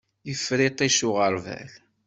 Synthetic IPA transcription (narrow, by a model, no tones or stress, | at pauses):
jəfɾit̪ˤiʃʊʁəɾˤvæ̰l